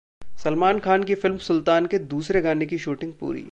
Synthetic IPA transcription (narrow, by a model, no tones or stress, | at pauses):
sɐlmaːnkʰaːnkifɪlmsʊlt̪aːnked̪uːsɾeɡaːnekiʃuːʈɪ̃ŋɡ̚pṵːɾḭː